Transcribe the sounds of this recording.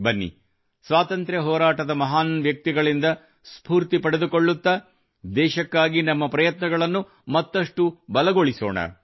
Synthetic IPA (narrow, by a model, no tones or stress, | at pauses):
bɐnːḭ | sʋaːt̪ɐnt̪ɾjɐɦɔːɾaːʈɐd̪ɐmɐɦaːnʋjɐk̚t̪iɡɐɭind̪ɐ | spuːɾt̪ipɐɽed̪ukoɭːut̪ːɐ | d̪ɛːʃɐkːaːɡinɐmːɐpɾɐjɐt̪nɐɡɐɭɐnːu | mɐt̪ːɐʂʈubɐlɐɡo̞ɭiso̰ːɳɐ̰